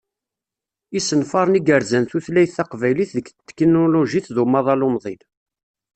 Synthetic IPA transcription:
isənfɑɾˤniɡəɾzənθuθlæjθːæqvæjliθðəkt̪ːkinoloʒiθðumɑðˤɑlomðˤil

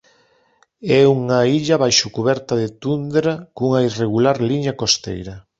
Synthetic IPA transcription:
ɛuŋɐiʎɐβajʃʊkuβɛɾt̪ɐðet̪und̪ɾakuŋɐireɣ̞ulaɾliɲɐkost̪ḛjɾɐ

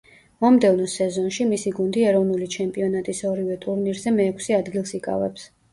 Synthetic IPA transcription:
mɔmd̪ɛvnɔsɛzɔnʃimisiɡund̪iɛɾɔvnulit͡ʃʰɛmpʼiɔnat̪ʼisɔɾivɛt̪ʼuɾniɾzɛmɛːkʰsiad̪ɡilˠsikʼa̰vɛ̰ps

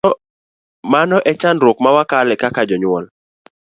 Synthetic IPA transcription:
manɔʔɛt͡ʃandɾʊk̚mawakalɛkakad͡ʒɔɲwɔl

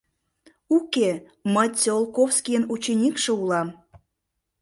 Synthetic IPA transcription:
uke | məjt͡sʲolˠkofskʲijənut͡ɕenʲikʃĕulɑm

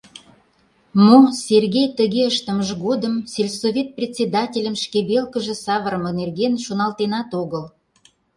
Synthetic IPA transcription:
mosʲerɣejt̪əɣeəʃt̪ə̆məʒɣod̪əmsʲelʲsovʲet̪̚prʲet̪ʲsʲed̪ɑtʲelʲəmʃkeβelkəʒĕsɑβəɾəmənerɣenʃonɑlt̪enɑt̪oɣəl

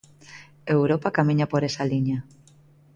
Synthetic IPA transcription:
ewɾopakamiɲapoɾesaliɲa

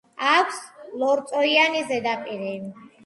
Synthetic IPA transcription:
akʷʰslɔɾt̪sʼɔɾianizɛd̪apʼiɾi

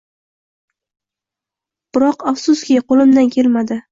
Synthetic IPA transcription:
b̥ɪɾɒqafsʊskʲɪqolˠɪmd̪ankʲʰelmad̪ɪ

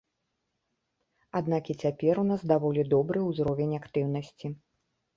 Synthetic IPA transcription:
ad̪nakit͡sʲapʲɛɾunazd̪avɔlʲid̪ɔbɾɨuzɾɔvʲenʲakt̪ɨwn̪ɐsʲt͡sʲi

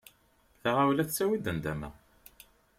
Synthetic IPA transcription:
θaʁawlæθt͡sːæwid̪ənd̪æmæ̰

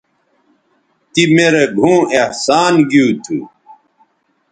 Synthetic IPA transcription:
t̪imeɾeɡʱũːehsaːnɡjuːt̪ʰṵ

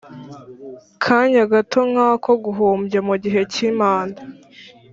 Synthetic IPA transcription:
kʰaːɲaɡatʰo̞ŋ̥haːkʰo̞ɡuɦuːmbjamuɟiɦe̞ciːmaːnda

